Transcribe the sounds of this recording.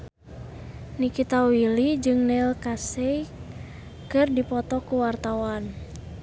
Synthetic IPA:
nikit̪awilid͡ʒɨŋnɛlkasɛj | kɨrdipɔt̪ɔkuwart̪awan

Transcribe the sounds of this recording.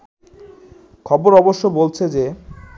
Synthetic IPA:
kʰɔboɾɔboʃːobolt͡ɕʰed͡ʑe

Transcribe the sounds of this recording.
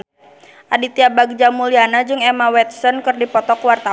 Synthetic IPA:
ʔadit̪iabaɡ̚d͡ʒamulianad͡ʒɨŋɛmawɛt̪̚sɔnkɨrdipɔt̪ɔkwart̪a

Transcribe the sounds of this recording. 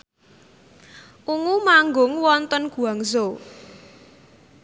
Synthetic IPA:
ʔuŋumaŋɡʊŋwɔnt̪ɔnɡ̥ṳaŋzo

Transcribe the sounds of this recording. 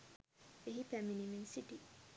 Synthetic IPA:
eɦipɛminiminsiʈi

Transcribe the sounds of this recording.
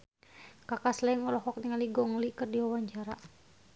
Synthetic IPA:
kakaslɛŋɔlɔɦɔk̚niŋaliɡɔŋlikɨrdiwawaɲt͡ʃaɾa

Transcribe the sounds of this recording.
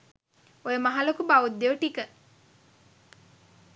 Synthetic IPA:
ojəmaɦalokubaud̪ːeʋəʈikə

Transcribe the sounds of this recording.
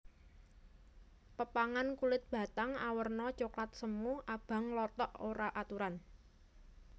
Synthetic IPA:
pəpaŋankulɪt̪̚b̥ä̤t̪aŋawərnɔt͡ʃoklat̪̚səmuʔab̥a̤ŋlɔt̪ɔʔoɾaʔat̪uɾan

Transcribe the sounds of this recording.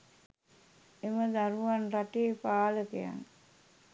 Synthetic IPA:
eməd̪aɾuʋanraʈeːpaːləkḛja̰ŋ

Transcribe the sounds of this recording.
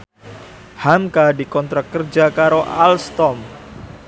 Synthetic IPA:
hamkadikɔnt̪ɾakərd͡ʒakaɾoʔa̰lst̪ɔm

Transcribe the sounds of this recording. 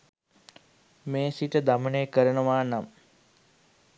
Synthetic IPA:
meːsiʈəd̪aməneːkəɾənəʋaːnam

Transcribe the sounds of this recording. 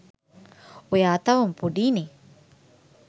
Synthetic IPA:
ujaːt̪ɐʋumpuɖiːniː

